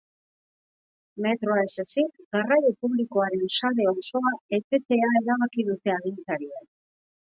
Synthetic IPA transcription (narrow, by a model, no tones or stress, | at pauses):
me̞t̪ɾo̞aesasik̪ɡarajopuβliko̞aɾe̞nʃaɾe̞oso̞ae̞t̪e̞t̪e̞aeɾaβakiðut̪e̞aðint͡saɾian